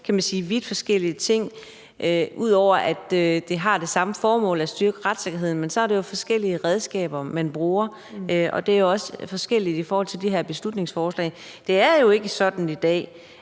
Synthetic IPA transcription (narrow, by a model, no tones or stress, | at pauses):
kʰæmænsiːʋid̥fɒ̽sɡ̥el̰iət͡sʰe̝ŋ̰ | ʔøuð̞̰ˠɒʊ̰ɐʔæd̥ød̥e̝ɦɑ̈d̥e̝sɑ̈məfɒːmɔ̰̽ːlæ̥sd̥yɐɡ̥əʁad̥se̝ɡ̥ɐɦe̝ð̞̰ˠn̩mensɒæɐɾejo̝fɒ̽sɡ̥el̰iəʁɛð̞ˠsɡ̥ɛ̰ːb̥ɐmænb̥ʁuːɐ | ʔɒ̽d̥e̝æɐjo̝ɒ̽səfɒ̽sɡ̥el̰id̥ifɒːhɒ̽l̰t͡sʰeld̥iɦeɐb̥e̝slud̥ne̝ŋsfɒːslɛ̰ːɪ | d̥e̝æɐjo̝e̝ɡ̥əsɒ̽d̥n̩id̥ɛ̰ː